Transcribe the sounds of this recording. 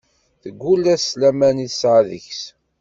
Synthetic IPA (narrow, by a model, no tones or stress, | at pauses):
θəɡʷːulæslæmæniθsʕaðəçs